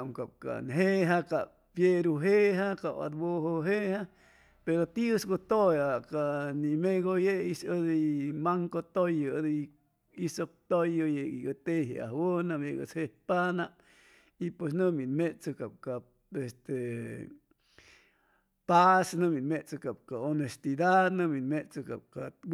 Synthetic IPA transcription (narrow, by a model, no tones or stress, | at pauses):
ŋkap̚ka̰nɦeɦaka | pjeɾuɦeɦakaa̰t̪boɦoɦeha | peɾot̪iəsɡot̪ojakanimeɡojeʔisəd̪imaŋkot̪ojəd̪ | isok̚t̪ojojeɡiɡət̪eɦḛʔa̰hwonameɡə̰shepanaʔ | ipwes̬nɨminmet͡sɨkap̚ka | est̪e | pasnɨminmet͡sɨkap̚kaonest̪id̪ad̪nɨminmet͡sɨka̰p̚ka